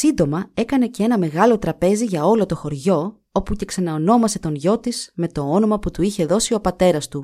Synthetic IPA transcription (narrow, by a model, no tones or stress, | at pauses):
sind̪o̞mɐe̞kɐne̞cee̞nɐme̞ɣɐlo̞t̪ɾɐpe̞ziʝɐo̞lo̞t̪o̞xo̞ɾʝo̞ | o̞puce̞ksɐnɐono̞mɐse̞t̪o̞nʝo̞t̪iz̥me̞t̪o̞ono̞mɐput̪uiçe̞ðo̞sio̞pɐt̪e̞ɾɐst̪u